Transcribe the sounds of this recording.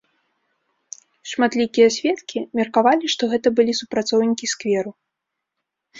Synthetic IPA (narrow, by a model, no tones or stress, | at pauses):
ʂmat̪lʲikʲijɐsʲvʲɛt̪kʲimʲɛrkavalʲiʂt̪ɔɣɛt̪ɐbɨlʲisupɾat̪sɔwnʲikʲiskvʲɛɾu